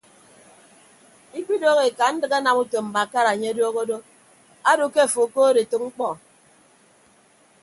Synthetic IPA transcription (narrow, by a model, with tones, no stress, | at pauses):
i˦k͡pi˦do˦ɣe˨ka˨n̩˦dɨ˦ɣa˦na˨mu˦to˨m̩˨ba˨ka˦ɾa˨ɲe˦a˦do˦ɣo˦do˦ | a˦do˨ke˦˨fo˨koː˦ɾe˨to˨k̚ŋ͡m̩˦k͡pɔ˨